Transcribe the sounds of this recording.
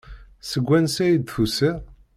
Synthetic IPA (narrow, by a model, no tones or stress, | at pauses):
səɡʷːænsæjid̪θusi